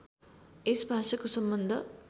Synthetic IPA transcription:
esbʱaːʂɐkosʌmbʌnd̪ʱʌ

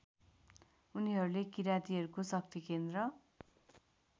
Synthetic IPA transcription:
uniɦʌɾulekiɾat̪iɦʌɾukosʌk̚t̪ikend̪rʌ

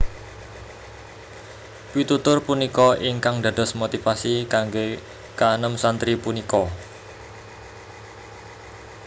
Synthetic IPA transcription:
pit̪ut̪ʊrpunikɔiŋkaŋd̪ä̤d̥̪ɔ̤smot̪ifasikaŋɡe | kaːnəmsant̪ɾipunikɔ

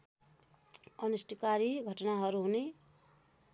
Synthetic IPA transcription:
ʌnusʈikaɾiɡʱʌʈʌnaɦʌɾuɦune

